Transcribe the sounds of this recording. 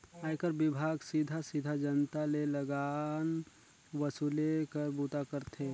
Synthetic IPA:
aːjkəɾbɪbʱaːɡsid̪ʱasid̪ʱad͡ʒənt̪aleləɡan | ʋəsuːlekəɾbuːt̪akəɾt̪ʰe

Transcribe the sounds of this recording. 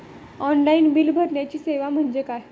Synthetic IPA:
ɔnlainbilbʱəɾɳjat͡ɕiːseʋam̤əɳd͡ʑekaj

